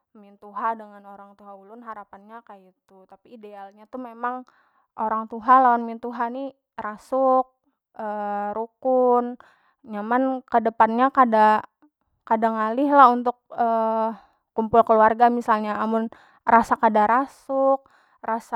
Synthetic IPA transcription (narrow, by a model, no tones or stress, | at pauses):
mint̪uɦadəŋanoɾaŋt̪uɦaulʊnɦaɾapanɲakajit̪ut̪apiːdealɲat̪umemaŋ | ʔoɾaŋt̪uɦalawanmint̪uɦani | rasʊk̚ | əɾukʊn | ɲamankədəpanɲakada | kadaŋalɪɦlahunt̪ʊk̚əː | umpʊlkəluarɡamisalɲaːmʊn | rasakadaɾasʊk̚ | rasa